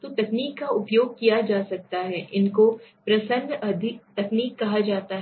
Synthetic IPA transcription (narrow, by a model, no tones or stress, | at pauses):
t̪ot̪ɐkniːkːaʊpjoːɡ̚kijad͡ʒaːsɐk̚t̪aɦɛːʔɪnkopɾɐsə̃nd̪ɐd̪ʱɪkt̪ɐkniːkːɐɦad͡ʒaːt̪aɦ